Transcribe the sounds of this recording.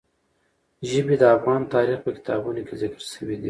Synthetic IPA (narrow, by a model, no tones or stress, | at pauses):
ʒəbed̪əafɣɑnt̪ɑɾixpəkɪ̥t̪ɑbunokezɪkəɾʃəwid̪i